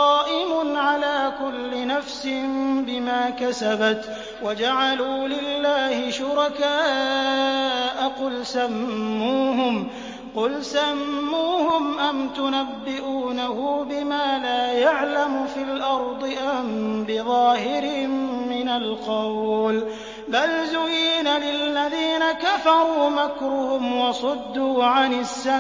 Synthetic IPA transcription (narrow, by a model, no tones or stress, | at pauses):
ɑːʔɪmʊnʕalaːkʊlːɪnafsɪmbɪmaːkasabat̪ | wad͡ʒaʕaluːlɪlːaːhɪʃʊɾɑkaː | ʔaqʊlsamːuːɦʊm | qʊlsamːuːhʊmʔamt̪ʊnabːɪʔuːnahʊːbɪmaːlaːjaʕlamʊfilʔɑɾˤd̪ˤɨʔambɪðˤɑːhɪɾɪhɪmːɪnalqɑwl | balzʊjiːnalɪlːaðiːnakafɑɾˤuːmakɾʊhʊmwɑsˤʊd̪ːuːʕanɪsːa